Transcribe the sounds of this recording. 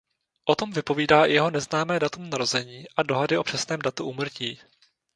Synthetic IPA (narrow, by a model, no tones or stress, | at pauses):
ʔot̪o̞mvɪpo̞viːdaːʔɪ̰jɛɦo̞nɛznaːmɛːdat̪umnaɾo̞zɛɲiːʔado̞ɦadɪʔo̞pr̝̥ɛsnɛːmdat̪uʔuːmr̩ciː